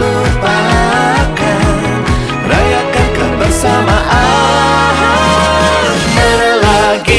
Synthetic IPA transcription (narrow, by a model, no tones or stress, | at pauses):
upa | kan | rajakakanbərsamaʔa | ɦa | bəɾlaɡi